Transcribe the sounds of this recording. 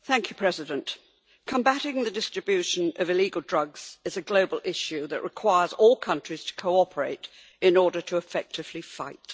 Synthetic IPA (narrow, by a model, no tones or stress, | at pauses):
θæ̃ŋkʰjʉpʰɹ̥ɛzɨdɨ̃nʔ | kʰə̃mbæɾɪ̃ŋðɨdɪstɹ̥ɨbjʉʃɨ̃nʌvɨliɡəl̩ˠdɹʌɡz̥ɨzɨɡloʊbəlˠʔɪʃʉðɨʔɹʔɨkʰw̥aɪə˞zɔlˠkʰʌ̃nt͡ʃɹ̥iz̥tʰə̥kʰoʊɑpʰə˞ḛɪɾ | ɨ̃nɔɹɾə˞ɾʰəːfɛk̚tʰɨv̥lifa̰ɪt